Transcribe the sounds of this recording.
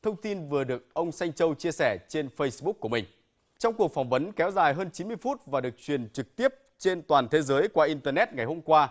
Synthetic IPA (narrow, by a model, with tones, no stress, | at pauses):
t̪ʰə˧wŋ͡mt̪i˧nvɨ˨˩əɗɨ˨˩ək̚ʔə˧wŋ͡msa˧jŋ̟t͡ɕə˧wt͡ɕi˧əsɛ˧˩t͡ɕe˧nfə˧jsɓʊ˦˥k̚kːu˧˩əmï˨˩ŋ̟ | t͡ɕɔ˧wŋ͡mku˨˩ək̚fɔ˨˩wŋ͡mvə˨˦nkɛ˨˦wzaː˨˩jɦəː˧nt͡ɕi˨˦nmɨ˧əjfu˦˥t̚vaː˨˩ɗɨ˨˩ək̚t͡ɕwi˨˩ənt͡ɕɨ˨˩k̚t̪i˦˥əp̚ | t͡ɕe˧nt̪waː˨˩nt̪ʰe˨˦zəː˨˦jkwaː˧ʔi˧nt̪əː˧nɛ˦˥t̚ŋa˨˩jɦo˧mkwaː˧